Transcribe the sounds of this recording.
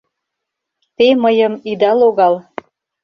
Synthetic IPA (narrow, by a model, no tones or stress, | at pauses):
t̪eməjə̆mid̪ɑloɣɑl